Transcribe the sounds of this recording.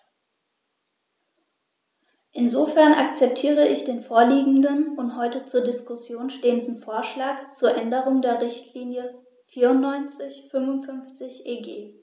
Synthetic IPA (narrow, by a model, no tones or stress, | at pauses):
ʔɪnzofɛɐnʔakt͡sɛp̚tʰiːʁəɪçd̥eːnfoːɐliːɡŋ̩dənʊntɦɔʏtət͡suːɐdɪskʊsjoːnʃteːəndn̩foːɐʃlaːkt͡suːɐʔɛndəʁ̞ʊŋdeːɐʁɪçtʰliːnjə | fiːɐʊntnɔʏnt͡sɪçfʏnvʊntfʏnft͡sɪçʔeːɡeː